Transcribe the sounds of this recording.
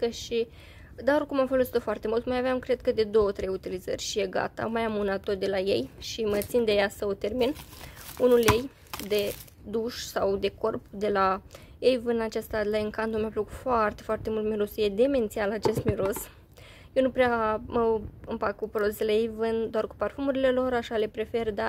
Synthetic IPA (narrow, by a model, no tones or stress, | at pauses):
kəʃi | d̪aorkumamfəlosi̥t̪o̞foart̪e̞mult̪majaveamkɾe̞d̪̚kəd̪e̞d̪o̞ot̪ɾe̞jut̪ilizə̰rʲʃije̞ɡa̰t̪a̰majamunat̪̚ːot̪̚d̪e̞laje̞̰jʃimət̪sind̪e̞jasəot̪e̞rminunulje̞j | d̪e̞ | d̪uʃsawd̪e̞ko̞rpd̪e̞la | jejvɨnat͡ʃast̪alaɨŋkand̪omaploku̥foart̪e̞foart̪e̞mult̪miɾusje̞d̪e̞me̞nt̪sialat͡ʃe̞st̪miɾos | jenupɾeaməɨmpakkupɾod̪uselejejvɨnd̪oarku̥parfumuɾile̞lo̞ɾaʃale̞pɾe̞fe̞rd̪a